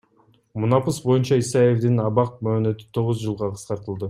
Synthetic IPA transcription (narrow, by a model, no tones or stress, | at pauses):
munɑpɯsbo̞junt͡ʃɑisɑje̞vd̪inɑβɑq̚møːnø̞t̪y̥t̪ʰo̞ʁuzd͡ʒɯlˠʁɑqʰɯ̥sqɑɾt̪ɯlˠd̪ɯ